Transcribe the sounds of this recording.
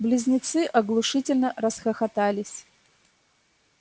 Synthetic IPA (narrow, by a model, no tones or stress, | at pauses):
blʲɪzʲnʲɪt̪sɨʔɐɡlˠʊʂɨtʲɪlʲnəɾəsxəxɐt̪alʲɪsʲ